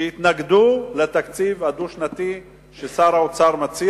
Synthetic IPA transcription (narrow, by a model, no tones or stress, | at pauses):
eit̪naɡd̪ulet̪akt͡sivad̪uʃnat̪i | ʃesaɾaot͡saʁmat͡si